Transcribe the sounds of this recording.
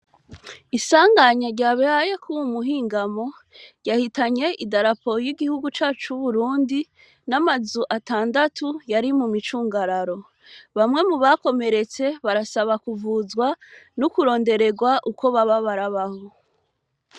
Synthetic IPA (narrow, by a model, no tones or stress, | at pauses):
isaːŋɡaɲaɾɟaːβehajekʰuwumuɦiːŋɡamo̞ | ɾɟahitaɲe̞ʔidaɾapo̞jiɡihuɡut͡ʃaːt͡ʃuβuɾuːndi | namazuʔataːndatʰujaɾimumit͡ʃuːŋɡaɾaɾo̞ | βamŋe̞muβako̞me̞ɾe̞t͡se̞βaɾasaβakuvuzɡwanukuɾo̞ːnde̞ɾe̞ɡwaʔuko̞βaβaβaɾaβaho